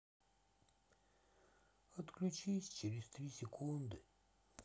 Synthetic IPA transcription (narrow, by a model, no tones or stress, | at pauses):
ət̪klʲut͡ʃisʲt͡ʃɪɾʲɪst̪ɾʲisʲɪkʰund̪ɨ